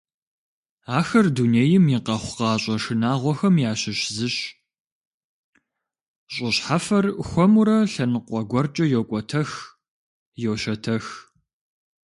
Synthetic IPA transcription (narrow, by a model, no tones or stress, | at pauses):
aːxɐrduneːjɪmjiqɐχʷʊqɑːɕʼɐʂɨnaːʁʷɔxɐmjaːɕɪɕzɨɕ | ɕʼɪɕħafɐrxʷɔmuɾɐɬɐnɨqʷʼɔɡʷɔrt͡ʃʼɐjoːkʷʼɔtʰɐx | jowɕɐtʰɐx